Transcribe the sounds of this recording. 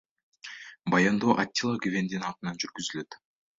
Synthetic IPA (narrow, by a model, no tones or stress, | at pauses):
bɑjand̪oːʔat̪ʲːilˠaɡyvend̪inɑq̪ɯnɑnd͡ʒyɾɡyzyløt̪